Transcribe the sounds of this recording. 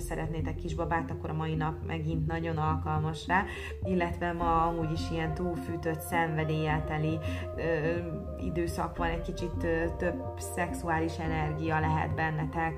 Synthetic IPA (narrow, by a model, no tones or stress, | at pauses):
sɛɾɛt̪neːt̪ɛkːiʒbɒbaːt̪ɒkːoɾɒmɒinɒpmʔɛɡint̪nɒɟo̞nɒlkɒlmɒʃraː | ilːɛt̪ʋɛmɒɒmuːɟiʃijɛnt̪uːlfyːt̪ø̞t̪sɛɱvɛd̪eːjaːt̪ɛli | øː | ḭd̪øːsɒkʋɒnɛckit͡ʃit̪øt̪øb | sɛksuaːliʃɛnɛrɡijɒlɛɦɛ̰d̪bɛnːɛt̪ɛk